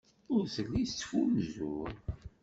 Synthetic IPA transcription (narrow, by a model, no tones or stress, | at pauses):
ʊɾθəlːist͡sːfumzuɾ